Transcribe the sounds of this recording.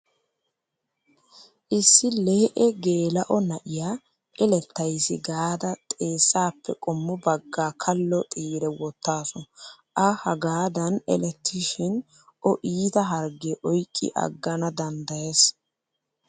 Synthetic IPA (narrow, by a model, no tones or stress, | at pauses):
ʔɪsːɪleːʔɛɡe̞ːlɐʔɔnɐʔɪjaː | ʔɛlɛt̪ːɐjsɪɡaːd̪ɐt̪ʼe̞ːsːaːpːɛ̰kʼɔmːʊbɐɡːaːkʰɐlːɔt̪ʼiːɾɛwɔt̪ːaːsɔn | ʔɐhɐɡaːd̪ɐnɛ̰lɛt̪ʰːɪʃɪn | ʔɔʔiːt̪ɐɦɐɾɡeʔɔjkʼːɪ̰ʔɐ̰ɡːɐnɐd̪ɐnd̪ɐjes